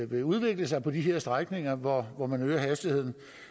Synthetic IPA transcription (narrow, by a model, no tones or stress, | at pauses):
ʋe̝uð̞ˠʋe̝ɡ̥ləs̬ɑ̈ɪpʰɒ̽d̥iɦe̝ɐsd̥ʁaɡ̥ne̝ŋɐʋɒʋɒmænøːɐɦæsd̥ihe̝ð̞̰ˠn̩